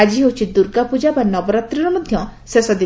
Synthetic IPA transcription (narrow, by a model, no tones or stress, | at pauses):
ad͡ʒiɦot͡ʃʰid̪uɾɡapud͡ʒabanɔbɔɾat̪ɾiɾɔmɔd̪ʱjɔ̃sesɔd̪i